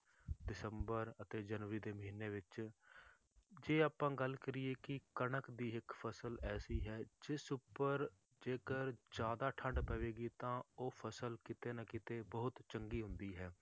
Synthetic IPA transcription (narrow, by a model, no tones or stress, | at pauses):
ɖɪsəmbəɾət̪eːd͡ʒənʋəɾiːd̪eːməɦiːnːeːʋɪt͡ʃ | d͡ʒeːaːpãːɡəlkəɾiːeːkɪkənəkd̪iːɦɪkpʰəsəlɛːsiːɦɛːd͡ʒɪsʊpːəɾ | d͡ʒeːkəɾd͡ʒjaːd̪aːʈʰə̃ɳɖpəʋeːɡiːt̪ãːoːpʰəsəlkɪt̪eːnəkɪt̪eːbəɦʊt̪t͡ʃəŋɡiːɦʊ̃nd̪iːɦɛː